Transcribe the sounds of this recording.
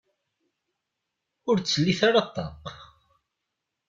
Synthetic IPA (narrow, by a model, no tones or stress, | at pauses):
ʊɾt͡sːəlːiθaɾɑt̪ˤːɑ̰q